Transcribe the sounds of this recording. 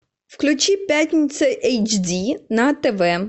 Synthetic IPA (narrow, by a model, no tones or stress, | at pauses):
wklʲʊt͡ʃipʲjatʲnʲit͡sʲɐʔɛjt͡ʃdʲinɐt̪eʋɛ